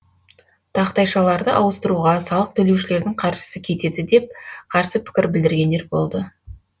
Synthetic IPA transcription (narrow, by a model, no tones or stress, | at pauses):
t̪ʰɑqt̪ɑjʃɑlˠɑɾd̪əʔɑwəst̪əɾuʁɑsɑlˠəq̚t̪ʰɵlewʃɪle̞ɾd̪ɪŋqʰɑɾʒə̥səkʲʰe̞t̪e̞d̪ɪd̪e̞p̚qʰɑɾsəpʰɪ̥kʲɪɾbɪld̪ɪɾɡʲe̞nd̪e̞ɾbo̞̰lˠd̪ə